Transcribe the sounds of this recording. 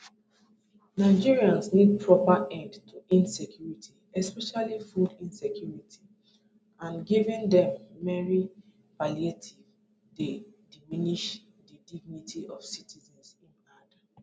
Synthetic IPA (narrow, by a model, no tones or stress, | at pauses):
naɪd͡ʒiɹiãnsnid̚pɹɔpaʔɛ̃ndtʰuʔĩnsɛkʰjuɹitʰiɛspɛʃalifudĩnsɛkʰjuɹitʰi̥ | ãnɡivɛ̃ndɛ̃mːɛɹi | palietʰiv | dediminiʃ | didiɡ̚nitʰiʔɔv̥sitʰizɛ̃nsĩnada